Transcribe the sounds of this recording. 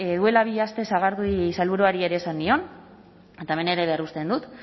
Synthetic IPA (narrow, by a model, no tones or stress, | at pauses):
eðue̞laβiast̪e̞saɣaɾðusalβuɾuaɾie̞ɾe̞ːsanːio̞n | et̪aeme̞ne̞ɾe̞βe̞arust̪e̞nd̪ut̪